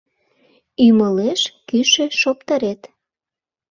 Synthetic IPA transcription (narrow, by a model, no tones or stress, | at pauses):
yməleʃkyʃĕʃopt̪əɾet̪